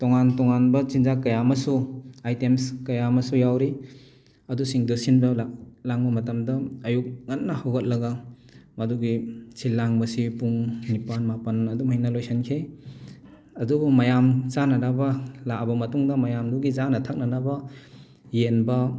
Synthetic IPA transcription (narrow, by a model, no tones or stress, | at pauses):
tɔŋantɔŋanbɐzinzakɐjamɐsuajtemskɐjamɐsujawɾi | ɐdusiŋdusinbɐllaŋbɐmɐtɐmdɐːjuk̚ŋɐtnɐhawɡɐt̚lɐɡɐ | mɐduɡisʰilaŋbɐsipuŋnipanmapɐnɐdumhijnɐlojsɐnkʰe | ɐdubumɐjamzanɐnabɐlaʔbɐmɐtuŋdɐmɐjamduɡizanɐtʰak̚nɐnɐbɐ | jenbɐ